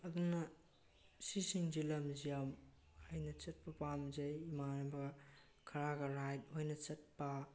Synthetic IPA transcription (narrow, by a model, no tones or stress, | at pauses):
ɐd̪unɐ | sisiŋd͡ʒilɐmzijam | ajnɐt͡ʃɐt̚pɐpamzɐjmanɐbɐ | kʰɐɾaɡɐɾajt̚hojnɐt͡ʃɐt̚pɐ